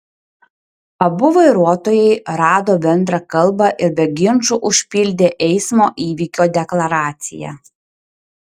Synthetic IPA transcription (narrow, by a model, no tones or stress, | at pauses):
ɐbʊʋɐɪɾuɔt̪oːjɛɪɾɑːd̪oːbʲɛnd̪ɾɐkɐlˠˑbɐʔɪɾbʲɛɡʲɪnt͡ʃʊʔʊʃʲpʲɪlʲd̪ʲeːʔɛɪsmoːʔiːʋʲiːkʲoːd̪ʲɛklˠɐɾɑːt̪sʲɪ̰jæ̰